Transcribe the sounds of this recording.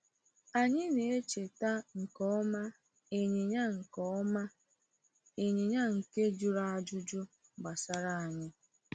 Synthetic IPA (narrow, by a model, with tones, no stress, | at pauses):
a˨ɲɪ˦ne˨e˦t͡ʃe˨ta˦ŋ̩˨kɔ˦ɔ˦ma˦ | e˨ɲe˨ɲa˦ŋ̩˨kɔ˦ɔ˦ma˦ | e˨ɲe˨ɲa˦ŋ̩˨ke˦d͡ʒʊ˨ɾa˦a˨d͡ʒʊ˦d͡ʒʊ˦ | ɡ͡ba˨sa˨ɾa˨a˨ɲɪ˦